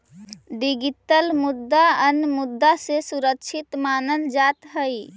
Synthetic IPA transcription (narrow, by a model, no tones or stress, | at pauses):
ɖiɡiʈəlmud̪ːaənmud̪ːasesuɾək̚t͡ʃʰit̪manəld͡ʒat̪ɦəj